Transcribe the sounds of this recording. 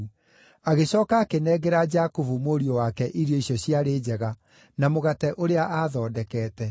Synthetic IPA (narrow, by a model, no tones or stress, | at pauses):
aɣeɕɔːkaːkenɛːɡeɾad͡ʒakovumoɾiɔwakɛʔiɾjɔisjɔɕjaɾeːd͡ʑɛɣa | namoɣatɛʔoɾeaʔaðɔːdɛkɛːtɛ